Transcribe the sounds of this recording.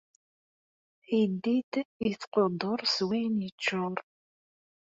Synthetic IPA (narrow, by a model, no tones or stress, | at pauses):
id̪ːid̪iθqod̪oɾˤswinjit͡ʃːʊɾˤ